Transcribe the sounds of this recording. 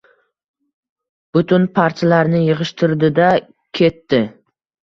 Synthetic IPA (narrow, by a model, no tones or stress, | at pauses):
b̥ʊt̪ʰʊnpʰaɾt͡ʃʰalaɾnɪjɨʁɨʃt̪ʰɪɾd̪ɪd̪a | kʲʰe̞t̪ːɪ